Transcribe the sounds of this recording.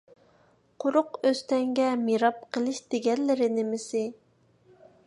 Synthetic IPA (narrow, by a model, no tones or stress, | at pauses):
qʰʊɾʊqøst̪ɛŋɡʲɛmeɾɑp̚qʰəlˠɨʃd̪̥eɡʲɛnlɪɾɪnɪmɪsɪ